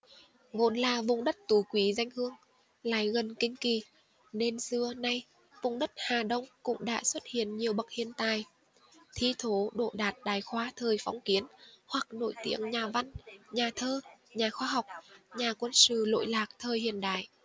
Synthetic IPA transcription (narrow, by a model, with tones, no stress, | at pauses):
vo̰˧˦nlaː˨˩vʊ̰˧˩ŋ͡mɗə˦˥t̚t̪u˨˦kwi˨˦za˧jŋ̟hɨ˧əŋ | la̰ː˧˨jɣə˨˩nkï˧ŋ̟ki˨˩ | ne˧nsɨ˧˩əna˧j | vʊ̰˧˩ŋ͡mɗə˦˥t̚haː˨˩ɗə˧wŋ͡mkʊ̰˧˥ŋ͡mɗa̰ː˧˥swə˦˥t̚hḭ˧˨ənɲi˨˩əwɓə˨˩k̚hḭ˧˨ənt̪aː˨˩j | t̪ʰi˧t̪ʰo˨˦ɗo̰˧˨ɗaː˨˩t̚ɗaː˨˩jxwaː˧t̪ʰəː˨˩jfɔ˨˦wŋ͡mki˨˦ənhwa˨˩k̚no̰˧˥jt̪ḭ˧˥˦əŋɲaː˨˩va˧nɲaː˨˩t̪ʰəː˧ɲaː˨˩xwaː˧ɦa˨˩wk͡p̚ɲaː˨˩kwə˧nsɨ̰˧˨lo̰˧˨jlaː˨˩k̚t̪ʰəː˨˩jhḭ˧˨ənɗa̰ː˧˨j